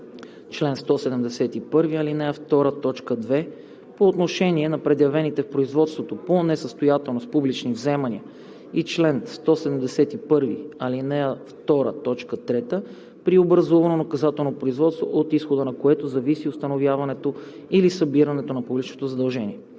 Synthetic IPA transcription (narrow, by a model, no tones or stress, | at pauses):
t͡ʃlɛnst̪ɔsɛd̪ɛmd̪ɛsɛt̪ipɤɾviɐlinɛəft̪ɔɾət̪ɔt͡ʃkəd̪vɛ | poːt̪noʃɛniɛnɐpɾɛd̪jɐvɛnit̪ɛfpɾoizvɔt̪st̪vot̪oponɛsəst̪ojat̪ɛlˠnospublit͡ʃnivzɛmɐniə | it͡ʃlɛnst̪ɔsɛd̪ɛmd̪ɛsɛt̪ipɤɾviɐlinɛəft̪ɔɾə̰t̪ɔt͡ʃkət̪ɾɛt̪ə | pɾiobɾɐzuvɐnonɐkɐzat̪ɛlˠnopɾoizvɔt̪st̪vo̰ʔot̪isxod̪ənɐkoɛt̪ozɐvisiost̪ɐnovjavɐnɛt̪o | ilisɐbiɾɐnɛt̪onɐpublit͡ʃnot̪ozɐd̪ɐlˠʒɛnʲḭɛ